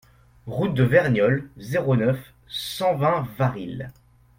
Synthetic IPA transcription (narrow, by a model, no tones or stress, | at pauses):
ʁut̪̚d̪əvɛʁnjɔlzeʁonœf | sɑ̃vɛ̃vaʁil